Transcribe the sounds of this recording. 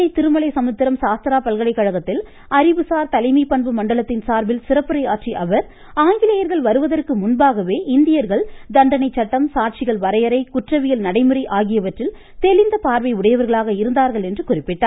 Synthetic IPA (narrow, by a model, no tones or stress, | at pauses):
ɐɪt̪ɪɾɯmɐɭɐɪsɐmɐt̪ːɪɾɐmsaːst̪ɐɾaːpɐlɣɐɭɐɪkːɐɻɐɣɐt̪ːɪl | ɐɾɪʋɯsaːɾt̪ɐlɐɪmipːɐɳbɯmɐɳɖɐɭɐt̪ːɪnsaːɾbɪlsɪrɐpːɯɾɐɪaːʈt͡ʃiʔɐʋɐɾ | aːŋɡɪlɐjɐɾɣɐɭʋɐɾɯʋɐðɐrkɯmʊnbaːɣɐʋeːʔɪnd̪ɪjɐɾɣɐɭd̪ɐɳɖɐnɐɪt͡ʃːɐʈːɐmsaːʈ̚t͡ʃɪɣɐɭʋɐɾɐjɐɾɐɪkʊʈrɐʋɪjɐlnɐɽɐɪmɯrɐɪʔaːɣɪjɐʋɐʈrɪl | t̪ɛlɪnd̪ɐpaːɾʋɐɪʊɽɐjɐʋɐɾɣɐɭaːɣɐɪɾɯnd̪aːɾɣɐɭɛndrɯkʊrɪpːɪʈːaːɾ